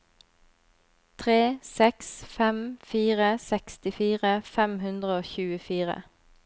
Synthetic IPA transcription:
t̪ʰʁeːsɛksfɛmfiːʁəsɛkst̪ɪfiːʁəfɛmhʉnd̪ʁəoːçʉːəfiːʁə̰

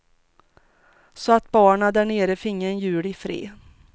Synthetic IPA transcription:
sɔat̪bɑːɳad̪æɳeːɾəfɪŋːaɛnjʉ̟ːɽɪfɾḛː

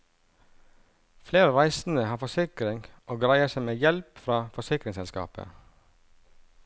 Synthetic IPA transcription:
fleːɾəɾæɪsn̩əhɑːfɔsɪkɾɪŋʔoːɡɾæɪəsæɪmeːjɛlpfɾɑːfɔsɪkɾɪŋsɛlskɑ̰ːpə̰

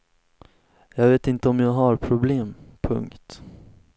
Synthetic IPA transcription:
jɑːɡveːt̪ɪnt̪əɔmjaːɡɦaɾpʰɾʊbleːmpʰɵ̰ŋkt̪

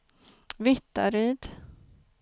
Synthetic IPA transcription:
vɪt̪ːa̰ɾiːd̪

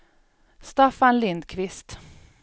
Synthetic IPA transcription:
st̪afanlɪnd̪kʰvɪst̪

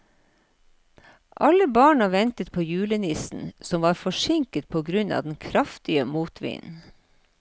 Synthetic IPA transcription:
ʔɑləbɑːɳɑʋɛnt̪ət̪̚pʰoːjʉːlənɪsn̩sɔmʋɑːɾfɔʃɪŋkət̪̚pʰoːɡɾʉnɑ̰ːd̪n̩kʰɾɑft̪ɪəmuːt̪ʰʋɪ̰ːn

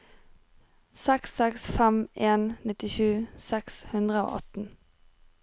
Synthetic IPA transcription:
sɛksɛksfɛmeːnnɪt̪ɪʃʉːsɛkshʉnd̪ʁəo̰ːʔɔt̪n̩

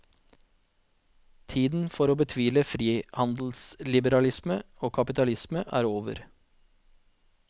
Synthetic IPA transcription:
t̪ʰiːd̪n̩fɔɾoːbət̪ʰʋiːləfɾiːhɑnd̪l̩slɪbəɾɑlɪsməoːkʰɑpɪt̪ɑlɪsməʔæ̰ːɾoːʋə̰ɾ

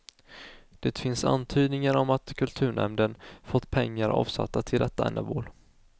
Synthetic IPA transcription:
d̪̥eːt̪fɪnsa̰nt̪ʰyːd̪nɪŋaɾɔmat̪kʰɵlt̪ʰʉ̟ːɳɛ̰md̪ənfɔt̪ːpʰɛŋːaɾʔɑ̰ːvsa̰t̪ːat̪ʰɪld̪ɛt̪ːaɛ̰nːə̰boːl

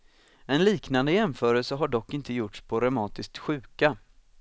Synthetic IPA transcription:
ɛnliːknand̪əjɛmfœːɾəlsəɦaɖɔkːɪnt̪əjʊʈʂpʰɔɾœmɑːt̪ɪsk̚t̪ɧʉ̟ːka

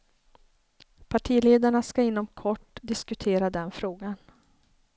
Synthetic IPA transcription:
pʰaʈʰiːleːd̪aɳaskaɪnːɔmkʰɔʈːd̪ɪskɵt̪ʰeːɾad̪ɛnfɾoːɡan

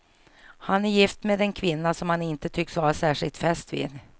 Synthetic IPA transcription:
hanæɾjɪft̪meːd̪ɛnkʰvɪnːasɔmhanɪnt̪ət̪ʰʏksvɑːɾasæːʂɪlt̪fɛst̪vḭːd̪

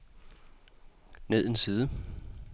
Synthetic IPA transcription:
ne̝ð̰ˠensiːðˠə

